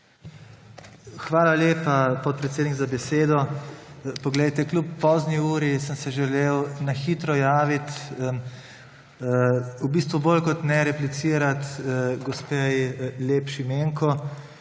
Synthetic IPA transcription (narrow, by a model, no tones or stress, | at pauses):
xʋaːlaleːpapɔt̪̚pɾɛt̪seːd̪niɡzabɛseːd̪ɔ | pɔɡlɛjt̪ɛklupːɔːzniuːɾisəmsɛʒɛlewnaxiːt̪ɾɔjaːʋit̪ | ubiːst̪ʋubolkɔt̪nɛɾɛplit̪siːɾat̪ɡɔspejleːpʃimeːŋkɔ